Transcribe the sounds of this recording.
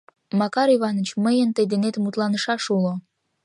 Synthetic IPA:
mɑkɑɾiβɑnət͡ɕməjənt̪əjd̪enet̪mut̪lɑnəʃɑʃulo

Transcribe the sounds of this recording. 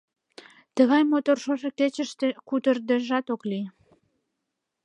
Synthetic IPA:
t̪əɣɑjmot̪orʃoʒeket͡ɕəʃt̪ekut̪ərd̪eʒɑt̪okli

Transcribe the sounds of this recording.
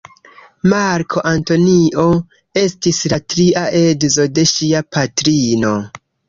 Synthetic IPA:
maɾkʰo̞ʔanto̞niʔo̞ | e̞stislatɾiaʔe̞dzo̞de̞ʃiapatɾino̞

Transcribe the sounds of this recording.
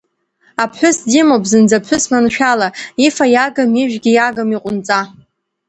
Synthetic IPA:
apʰħʷᶣʊsdimopzɨnd͡zapʰħʰʷʊsmanʃᶣalaifajaɡamiʒᶣɡʲijaɡamiqʷʼʊnt͡sʼa

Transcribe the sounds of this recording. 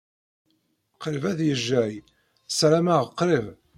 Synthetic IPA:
qɾəvæðjəʒːæj | sɾæmæʁqːɾɪv

